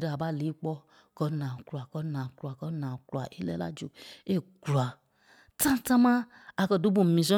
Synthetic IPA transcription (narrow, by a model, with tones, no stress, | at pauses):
dɔ˦a˨ba˦˨li˨˦k͡pɔ˦ | kɔ˧˦nã˨klu˨a˨kɔ˧˦nã˨klu˨a˨kɔ˦nã˨klu˨a˨ʔi˦lɛ̰˦la̰˦d͡ʒo˨e˦˨ɡu˨a˨ | tã˦tã˦mã˦ | a˧kɔ˧du˦bũ˦˨mĩ˨s̬ɔ̃˦